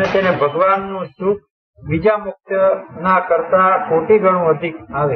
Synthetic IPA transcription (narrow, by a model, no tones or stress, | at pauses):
et̪enebʱəɡʋanːũʃuk̚ʰ | ʋid͡ʒamʊk̚t̪ənakəɾt̪akoʈiɡʱəɽ̃ũəd̪ʱikaʋe